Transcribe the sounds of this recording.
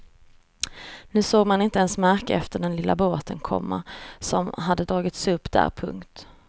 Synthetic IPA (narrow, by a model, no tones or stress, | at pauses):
nʉ̟ːsoːɡmanɪnt̪əɛnsmæɾkəɛft̪əɖɛnlɪlːaboːt̪ʰənkʰɔ̰mːa̰sɔmɦad̪ːəd̪ɾɑːɡɪt̪sɵpːd̪æ̰ːɾpʰɵ̰ŋkt̪